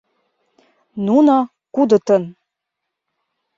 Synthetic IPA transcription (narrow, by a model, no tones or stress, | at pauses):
nunɑ | kud̪ɤ̆t̪ɤn